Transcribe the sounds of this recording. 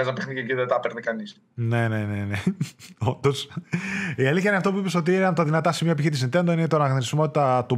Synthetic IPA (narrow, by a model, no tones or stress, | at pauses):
ezɐpexniceɟiðɐt̪ɐpeɾnikɐnis | ne̞ne̞neneond̪o̞s | iɐliθçɐineɐft̪o̞p̬uipe̞so̞t̪̬iinɐpt̪ɐðinɐt̪ɐsimiop̬içit̪isint̪end̪oninet̪onɐnɐɣnoɾismo̞t̪it̪ɐt̪u